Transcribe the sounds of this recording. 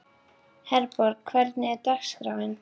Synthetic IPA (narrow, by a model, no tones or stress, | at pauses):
hɛɾpɔɾkkʰvɛɾt̪nɪɛɾt̪axskɾaːwɪn